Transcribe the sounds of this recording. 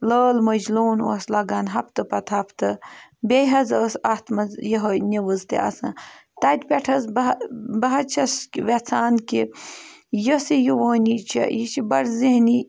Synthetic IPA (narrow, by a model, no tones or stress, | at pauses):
ləːlmɐd͡ʒloːno̰slɐɡaːnɦɐpʰt̪ɨpɐt̪ʰɐpʰt̪ɨbʲejɦɐzəsat̪ʰmɐzjiɦɐnʲiʋəzt̪ḛa̰sɐ̰t̪ad̪ʲpʲeʈʰɐzbɐbɐɦɐt͡ʃʰɐsʋet͡sʰaːnki | jəsijiʋoːnit͡ʃʰɐ̰jit͡ʃʰibɐɾziɦni